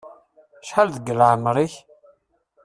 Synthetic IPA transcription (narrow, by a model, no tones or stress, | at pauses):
ʃħalðəɡəlʕəmɾiç